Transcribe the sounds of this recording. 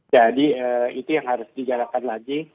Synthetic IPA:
d͡ʒadiəːit̪ujaŋhaɾʊsdid͡ʒaɾakanlaɡi

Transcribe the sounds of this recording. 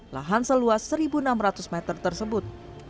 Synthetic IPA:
la̰ɦansəluasːəɾibunamrat̪ʊsmɛt̪ərt̪ərsəbʊt̪̚

